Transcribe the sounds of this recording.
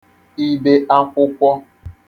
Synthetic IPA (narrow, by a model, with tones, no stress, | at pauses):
i˦be˦ʔa˦kʷʊ˦kʷɔ˦